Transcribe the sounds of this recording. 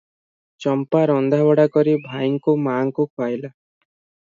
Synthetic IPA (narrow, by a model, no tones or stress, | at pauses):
t͡ʃɔmpaɾɔnd̪ʱabɔɽakɔɾibʱajŋkumaŋkukajla